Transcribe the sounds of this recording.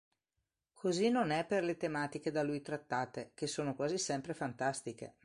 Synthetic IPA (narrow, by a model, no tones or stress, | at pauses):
kʰozinonɛpːerlet̪emaːt̪ik̟ed̪alujt̪ɾat̪ːaːt̪ek̟esːoːnokwaːzisɛmpɾefant̪ast̪ikḛ